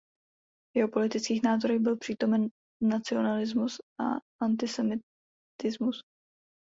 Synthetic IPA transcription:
jɛɦo̞po̞lɪt̪ɪt͡skiːxnaːzo̞ɾɛɣbɪlpr̝̥iːt̪o̞mɛnː | at͡sɪo̞nalɪzmusʔa̰ʔant̪ɪsɛmɪ | t̪ɪzmus

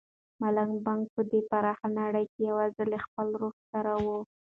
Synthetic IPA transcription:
malaŋbaŋk̚pəd̪epaɾɑxanaɽəjkejawɑzəlexpəlɾoxsaɾawo

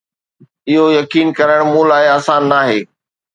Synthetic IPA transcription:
ɪɦojɐkiːnkɐɾəɽ̃mũːlaːɪaːsãːnːaːɦeː

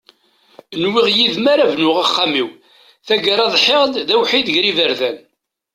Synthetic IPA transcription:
ənwɪʁjiðmaɾavnʊʁaχːamiw | θæɡaɾˤɑðˤħeʁd̪ðæwħiðʝɾivəɾðæn

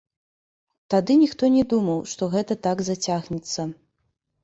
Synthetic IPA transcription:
t̪ad̪ɨnʲixt̪ɔnʲɛd̪umɐwʂt̪ɔɣɛt̪ɐt̪aɡzat͡sʲaɣnʲit̪sːɐ

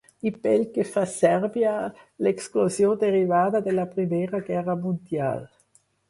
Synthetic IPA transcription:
ipɛlkefasɛɾbjaleksklozjod̪eʁivaːd̪ad̪elapɾimɛːʁaɡɛʁamũnd̪ja̰l

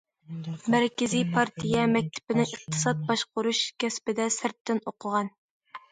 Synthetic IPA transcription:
mæɾkʲɪzijpʰɑɾt̪ʰijɛmɛk̚ʲt̪ʰɪ̥pɪnɪəq̚t̪ʰɨ̥sɑt̪̚bɑʃqʊɾuʃkʲɛspɪd̪ɛsɪɾt̪ʰːɪnoqʰʊʁɑn

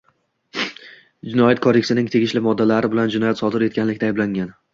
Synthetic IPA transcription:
d͡ʒɪnɒjɒt̪̚kʰɒd̪eksɪnɪŋt̪ʰe̞ɡʲɪʃlɪmɒd̪ːalaɾɪbɪland͡ʒɪnɒjat̪sɒd̪ɪɾe̞t̪̚kʲanlɪkʲt̪aːjblaŋan

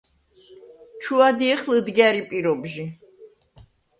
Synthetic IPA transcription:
t͡ʃʰuad̪iɛχləd̪ɡɛɾipʼiɾɔbʒi

